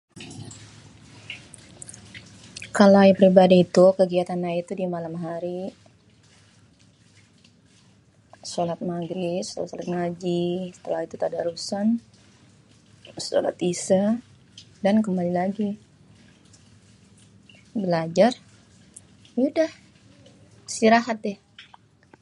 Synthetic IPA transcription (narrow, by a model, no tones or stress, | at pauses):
kalajpəɾibadiːt̪ukəɡiat̪anait̪udimalamɦaɾi | solat̪̚maɡɾiso̰lat̪solat̪̚ŋad͡ʒisə̥t̪əlahit̪ut̪adaɾusan | so̰la̰t̪isə | dankəmbalilaɡi | bəlad͡ʒar | udah | siɾaɦat̪̚ɛh